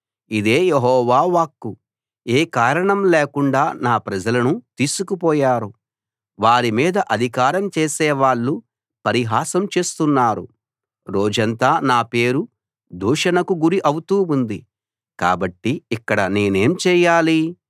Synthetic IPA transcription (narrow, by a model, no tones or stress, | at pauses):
id̪e̞ːjeɦɔːʋaːʋaːkːu | eːkaːɾɐɳɐmleːkuɳɖaːnaːpɾɐd͡ʒɐlɐnut̪iːsukupɔːjaːɾu | ʋaːɾimiːd̪ɐʔɐd̪ʱikaːɾɐmt͡ʃeːsɛːʋaːɭːu | pɐɾiɦaːsɐmt͡ʃe̞ːst̪unːaːɾṵ | ɾoːd͡ʒɐnt̪aːnaːpe̞ːɾu | d̪uːʂɐnɐkuɡuɾiʔɐwut̪uːund̪i | ka̰ːbɐʈːiːkːɐɽɐneːne̞ːmt͡ʃɛːjaːli